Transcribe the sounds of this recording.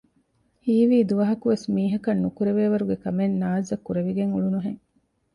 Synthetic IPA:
hiːʋiːd̪uʋɐɦɐkuʋesmiːɦɐkɐnːukuɾeʋeːʋɐɾuɡekɐmenːaːzɐkːuɾeʋiɡeŋuɭunuɦeŋ

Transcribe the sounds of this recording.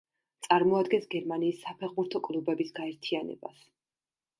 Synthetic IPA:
t̪sʼaɾmɔad̪ɡɛnsɡɛɾmaniːsːapʰɛχbuɾt̪ʰɔkʼlˠubɛbisɡaɛɾt̪ʰianɛ̰ba̰s

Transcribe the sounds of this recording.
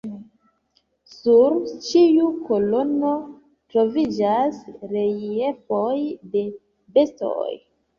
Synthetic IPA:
suɾt͡ʃiuko̞lo̞no̞ | tɾo̞vid͡ʒasɾe̞jefo̞jde̞ | be̞sto̰j

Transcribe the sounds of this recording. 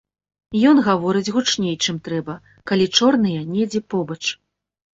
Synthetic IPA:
jɔnɣavɔɾɨd͡zʲɣut͡ʂnʲejt͡ʂɨmt̪ɾɛbɐ | kalʲit͡ʂɔrnɨjɐnʲɛd͡zʲɛpɔbɐt͡ʂ

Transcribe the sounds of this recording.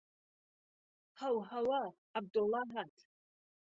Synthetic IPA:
hawɦawa | ab̚dolːaɦatʰʼ

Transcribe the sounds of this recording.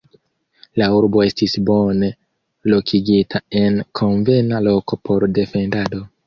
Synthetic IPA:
lauɾbo̞e̞stisbo̞ne̞ | lo̞kʰiɡitʰae̞nkʰo̞nve̞nalo̞ko̞pʰo̞ɾde̞fe̞ndado̞

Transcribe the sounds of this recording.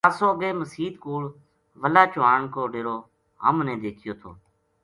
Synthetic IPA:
aːsoːəɡeːməsiːd̪kuːɭ | ʋəlaːt͡ʃʊaːɳkoːɖeːɾoː | ɦə̰mnɛ̃ːd̪eːkʰɪjoːt̪ʰoː

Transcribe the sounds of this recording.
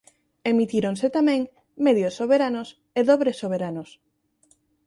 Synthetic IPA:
emit̪iɾonset̪amẽŋ | meðjosːoβeɾanos | eðoβɾesoβ̞eɾanos

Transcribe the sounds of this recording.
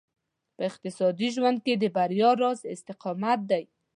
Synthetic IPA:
pəɪq̚t̪ɪsɑd̪iʒwand̪̚ked̪əbaɾjɑɾɑzɪst̪ɪqɑmat̪̚d̪aj

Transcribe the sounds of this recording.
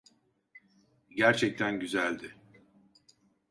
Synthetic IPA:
ɟæɾt͡ʃʰɛc̚t̪ʰænɟyzælʲd̪ɪ

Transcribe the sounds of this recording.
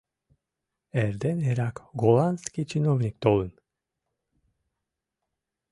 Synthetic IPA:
ɛɾd̪ɛnɛɾakɡolanskit͡ʃinovnik̚t̪oln

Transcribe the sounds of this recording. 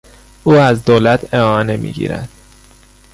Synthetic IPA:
uːæzd̪oːlæt̪ʰeɒːne̞mḭːɟḭːɾæ̰d̪̥

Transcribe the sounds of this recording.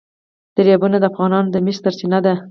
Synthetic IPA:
d̪̥əɾjɑbunad̪əafɣɑnɑnd̪əmist̪aɾsinad̪a

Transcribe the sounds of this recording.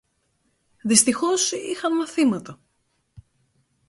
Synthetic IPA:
ðist̪ixo̞sḭxɐnmɐθimɐt̪ɐ

